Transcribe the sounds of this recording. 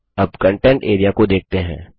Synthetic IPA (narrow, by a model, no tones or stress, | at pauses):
ɐbkə̃ɳʈɛ̃ɳʈeːɾijakod̪eːk̚ʰt̪eɦɛ̰̃ː